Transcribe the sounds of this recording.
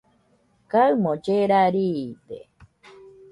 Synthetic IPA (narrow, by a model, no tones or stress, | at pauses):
kaɨmõd͡ʒeɾaɾid̪ḛ